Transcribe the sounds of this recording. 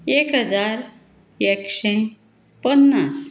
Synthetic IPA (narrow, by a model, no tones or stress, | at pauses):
ekɦəd͡zaɾ | ekʂẽ | pənːas